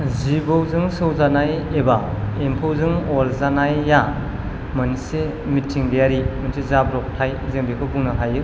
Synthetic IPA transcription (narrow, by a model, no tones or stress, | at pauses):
zibɯwzɯŋsɯwzanajebaempʰɯwzɯŋolzanajːa | mɐnise | mitʰiŋdaɾimɐnsezabɾɔk̚tʰajzeŋbekʰɯbuŋnɐɦajɯ